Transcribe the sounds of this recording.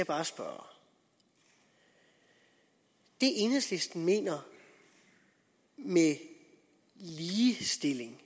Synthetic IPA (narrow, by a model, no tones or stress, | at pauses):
ɑb̥ɑ̈ːsb̥ɶɐ | d̥e̝ʔe̝nəsle̝sd̥n̩me̝̰ːnɐ | me | liːsd̥e̝le̝ŋ